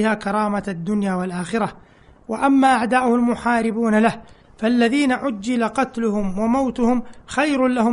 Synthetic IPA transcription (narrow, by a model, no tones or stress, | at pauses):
ɪhaːkɑɾˤɑːmaad̪ːʊnjaːwalʔaːxɪɾa | waʔamːaːʔaʕd̪aːʔʊhʊlmʊħaːɾɪbuːnalah | falːaðiːnaʕʊd͡ʒːɪlaqɑt̪lʊhʊmwamawt̪ʊhʊmxajɾʊlahʊ